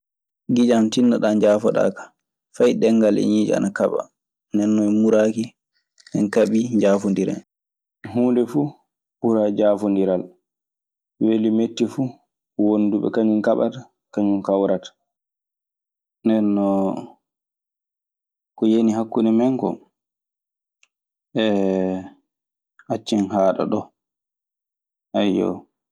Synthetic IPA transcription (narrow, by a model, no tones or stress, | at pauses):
ɡid͡ʒamtinːaɗand͡ʒaːfɔɗa̰ːkḁ | fajɗɛŋːɡalɛ̰ɲid͡ʒɛ̰a̰nakaɓa̰ | ndɛnːɔmuɾaki | ɗɛnkaɓiɲd͡ʒaːfundiɾa̰ | ɦuːndɛfu | buɾad͡ʒafundiɾal | welimetːifu | wonːduɓɛ̰kaɲunkaɓa̰ta | kaɲunkawɾatḁ | nɛnːɔ | kɔjeniɦakːunɛmɛŋkɔ̰ | ʔɛ | hat͡ʃːinhaːɗa̰ɗɔ | ʔajːɔ̰